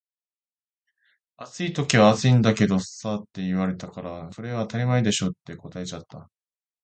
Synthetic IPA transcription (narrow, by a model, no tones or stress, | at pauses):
at͡sɨit̪o̞kʲiβaːt͡sɨĩnd̪ake̞d̪o̞sat̪ːe̞iβ̞aɾe̞t̪akaɾaso̞ɾe̞βaːt̪aɾʲimaid̪e̞ɕo̞t̪ːe̞ko̞t̪ae̞t͡ɕat̪ːa